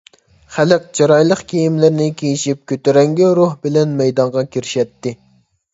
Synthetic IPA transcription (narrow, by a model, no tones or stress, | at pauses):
χælɨq̚d͡ʒɑɾɑjlˠəqkʲʰejimlɪɾnɪkʲʰejiʃip̚kʲøt̪yɾɛŋɡʲiɾuhbɪlɛnmɛjd̪ɑŋʁɑkʲiɾɪʃɛt̪ːɪ